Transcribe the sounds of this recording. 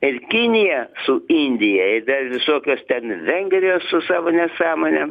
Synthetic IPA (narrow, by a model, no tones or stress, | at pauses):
ɪrkʲɪnʲɪjɛsʊɪnʲd̪ʲɪjɛɪd̪ɐrʋʲɪsoːkʲoːst̪ʲɛnʋʲɛŋʲɡɾʲɪjoːssʊsɑːʋoːnʲɛsɑːmoːnʲɛ